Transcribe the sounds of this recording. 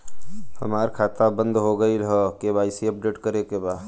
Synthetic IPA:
hə̰maːɾkʰaːt̪abə̃nd̪ɦoɡəilɦɔkebaːɪsiəp̚ɖeːʈkəɾekebaːd̪

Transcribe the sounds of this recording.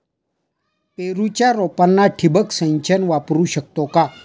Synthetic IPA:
peɾut͡ɕjaɾɔpanːaʈʰibəksə̃ɲt͡ɕənʋapɾuːɕək̚t̪ɔka

